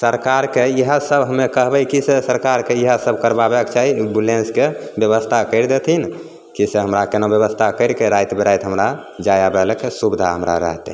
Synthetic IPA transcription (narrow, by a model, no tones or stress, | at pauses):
səɾkaɾkeiɦəsəbɦəmːekəɦbəjkisesəɾkaɾkeiɦəsəbʱkəɾbabɛkt͡ʃaɦibulenskebjəβəst̪ʰakəɪɾd̪et̪ʰin | kiseɦəmɾakenobjəβəst̪ʰakəɪɾkeɾajt̪beɾajt̪ɦəmɾa | d͡ʒajabɛlkesubid̪ʱaɦəmɾa̰ɾə̰ɦt̪